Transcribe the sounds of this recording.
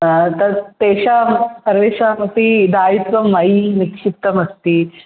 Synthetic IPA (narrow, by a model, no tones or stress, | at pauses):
t̪ɐɾt̪eɕapəɾʋeɕaɐpid̪aːit̪ʋɐmːainikʂip̚t̪əməst̪iː